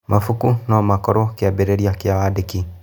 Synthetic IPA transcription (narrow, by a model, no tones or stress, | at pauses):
mʔafukunaamakɔɾɔkiabɛɾeɾiakiaadeki